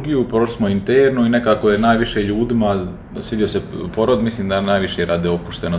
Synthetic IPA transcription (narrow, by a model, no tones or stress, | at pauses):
ɡijupɾoʃlismoint̪eɾnuine̞kaːkojenaːjʋiʃeʎuːd̪ima | sʋid̪io̞sepo̞ɾod̪misliːmd̪anaːjʋiʃeɾaːd̪eopuʃt̪eno